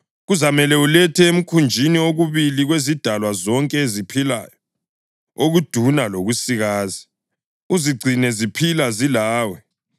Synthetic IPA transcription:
ɣuzamɛlɛulɛtʰɛem̩kʰund͡ʒʱinioɣuβiliɣwezid̥ʱalwazɔŋkʼɛezipʰila̰ːjɔ | oɣud̥ʱunaloɣusiɣaːzi | uziɡ͡ǀʱinɛzipʰilazilaːwɛ

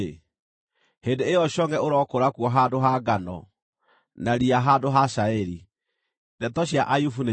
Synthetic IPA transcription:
hendeejɔɕɔŋɡɛoɾɔkoɾakuɔɦadoɦaɡanɔ̰ | naɾiaɦadoɦaʃaɛɾi | dɛtɔɕiaʔajufune

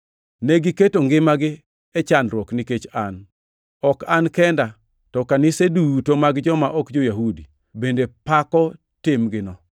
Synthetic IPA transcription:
nɛɡɪketoŋɡɪmaɡɪ | ɛt͡ʃanɾwɔknɪket͡ʃan | ɔkankɛnda | tɔkanɪsedutomaɡd͡ʒɔmaʔɔkd͡ʒojaɦudi | bendepakɔ | tɪmɡɪnɔ

